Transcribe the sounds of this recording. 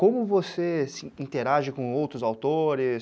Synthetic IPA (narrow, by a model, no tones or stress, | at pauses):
kõmʊvosesɪĩt̪eɾaʒɪkõowt̪ɾʊzawt̪oɾɪs